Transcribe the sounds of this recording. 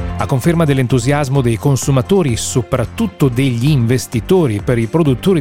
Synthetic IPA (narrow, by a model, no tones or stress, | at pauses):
akːoɱfermad̪elːent̪uzjazmod̪ejkonsumat̪oːɾisopɾat̪ːut̪ːod̪eʎːiɱvest̪it̪oːɾipeɾipɾod̪ut̪ːoːɾi